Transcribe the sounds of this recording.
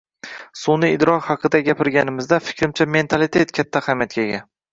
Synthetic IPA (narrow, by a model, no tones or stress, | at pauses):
sʊnɪɪd̪ɾɒkhɑqʰɨd̪aɡʲapɪɾɡʲanɪmɪzd̪afɪ̥kʲɾɪmt͡ʃʰame̞nt̪ʰalˠɪt̪ʰe̞t̪kʲʰat̪ʰːahamjat̪̚kʲaɡʲa